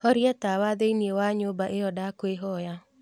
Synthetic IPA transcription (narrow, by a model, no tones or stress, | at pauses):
hɔɾijɛt̪awad̪einiewaɲobaʔejɔdakweɦɔja